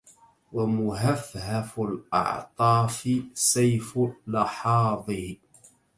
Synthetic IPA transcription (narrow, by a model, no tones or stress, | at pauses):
wamʊɦafhafʊlʔɑ̰ʕt̪ˤɑːfɪsajflɑħɑːðˤɨh